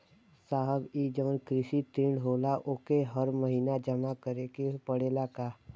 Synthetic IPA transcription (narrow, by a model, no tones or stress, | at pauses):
saːɦəbiːd͡ʒəʋənkɾɪʃit̪ɪ̃ɳɖɦoːlaʔoːkeɦəɾməɦiːnad͡ʒəmakəɾekepəɽeːlakaː